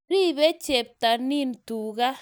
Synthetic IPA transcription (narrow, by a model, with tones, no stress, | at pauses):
ɾi˦βɛ˦t͡ʃe˨b̚t̪a˨ni˦˨ntu˨ɣa˦